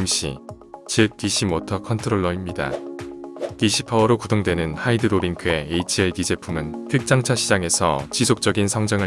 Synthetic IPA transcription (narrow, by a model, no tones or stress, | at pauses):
mɕ͈ʰḭ | t͡ɕɯk̚t͈iɕʰimotʰʌkʰʌntʰɯɾoɭːʌimɲida̰ | kiɕʰi̥pʰaʌɾokudoŋdwenɯnhaidɯɾobiŋkʰɯe̞ːit͡ɕʰiekid͡ʑe̞pʰumɯnpʰɯk̚t͡ɕ͈aŋt͡ɕʰaɕʰid͡ʑaŋe̞sʰʌ̰t͡ɕisʰok̚t͡ɕ͈ʌɡinsʰʌŋd͡ʑʌŋɯ